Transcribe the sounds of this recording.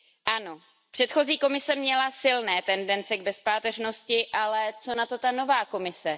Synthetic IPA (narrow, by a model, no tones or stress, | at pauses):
ʔano̞ | pr̝̥ɛt̪xo̞ziːko̞mɪsɛmɲɛlasɪlnɛːt̪ɛndɛnt͡sɛɡ̚bɛspaːt̪ɛrno̞scɪʔalɛt͡so̞nat̪o̞t̪ano̞vaːko̞mɪsɛ